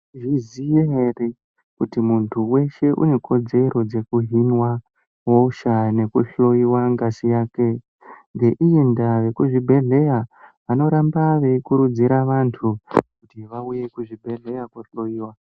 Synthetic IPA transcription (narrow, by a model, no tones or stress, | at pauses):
ʐizijeɦere | kutimuntʰuwe̞ʃe̞ʔṵne̞kʰo̞d͡ze̞ɾo̞d͡ze̞kuɦinwa | ɦoʃane̞kuɬo̞iwaŋɡasijaːke̞ | ŋɡe̞ʔijindaʋe̞kuʐibʱe̞ɮe̞jaʋano̞ɾambaʋeikuɾud͡ziɾaʋantʰukutiʋauje̞kuʐibʱe̞ɮe̞jakwoɬo̞iːwa